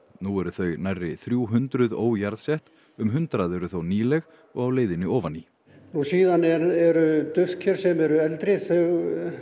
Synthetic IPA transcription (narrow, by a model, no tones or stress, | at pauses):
nuɛɾʏθœɥnajrːɪθɾjuːɦʏnt̪ɾʏðo̰ːwjaɾðsɛht̪ | ʏmɦʏnt̪ɾaðɛɾʏθowniːlɛɣ | ɔɣawleːjðɪnɪɔːvani | nusiːðanɛɾɛɾʏt̪ʏfcʰɛɾ̥sɛmɛɾʏɛlt̪ɾɪθœɣ